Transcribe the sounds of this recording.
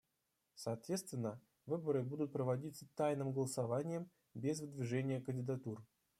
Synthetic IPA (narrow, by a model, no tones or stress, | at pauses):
sɐːt̪vʲe̞t̪st̪vʲɪnːə | vɨbəɾɨbud̪ʊt̪̚pɾəvɐdʲit̪sət̪ajnɨmɡəlˠəsavanʲɪjəm | bʲezvɨd̪vʲɪʐɛnʲɪjəkənʲdʲɪd̪at̪ur